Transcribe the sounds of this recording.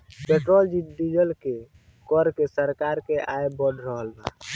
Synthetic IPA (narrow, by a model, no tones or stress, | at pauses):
peʈɾold͡ʒiʈɖid͡ʒəlke | kɔɾkesəɾkaɾkeʔajbəɖʱɾəɦəlna̰